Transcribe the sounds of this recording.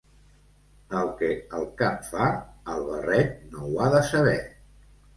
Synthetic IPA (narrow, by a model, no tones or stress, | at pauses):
əlˠkəəlˠkapfaəlˠβərɛʎnowaðəsəβɛ